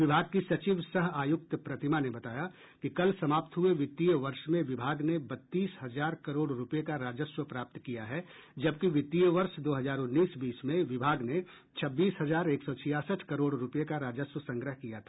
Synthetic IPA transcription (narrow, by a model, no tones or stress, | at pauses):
ʋɪbʱaːɡ̚kisɐt͡ʃiːʋsɐɦaːjʊk̚t̪pɾɐt̪ɪmanebɐt̪aːja | kikɐlsɐmaːpt̪ɦʊeʋɪt̪ːijəʋɐɾʃmẽʋɪbʱaːɡnebɐt̪ːiːsɦɐzaːɾkɐɾoːɽɾʊpekaɾaːd͡ʒəswəpɾaːp̚t̪kijaɦɛd͡ʒɐbkiʋɪt̪ːijəʋɐɾʃd̪oːɦɐzaːɾʊnːiːsbiːsmẽʋɪbʱaːɡne | t͡ʃʰɐbːiːsɦɐzaːɾeːksɔt͡ʃʰɪjaːsəʈʰkɐɾoːɽɾʊpjekaɾaːd͡ʒəswəsɐ̃ŋɡɾəɦkijat̪ʰaː